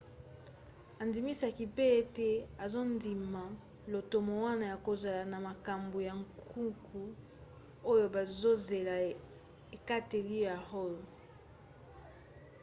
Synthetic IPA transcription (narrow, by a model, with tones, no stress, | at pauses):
a˨ndi˨mi˦sa˨ki˨pe˦e˦tɛ˦a˨zo˦ndi˨ma˨ | lo˨to˨mo˨wa˦na˨ja˨ko˨za˨la˨na˨ma˨ka˨mbo˨ja˨ŋkʰu˦ŋkʰu˨ | o˦jo˦ba˨zo˦ze˨la˨ | e˨ka˦te˨li˦ja˨ʁo˦lo˨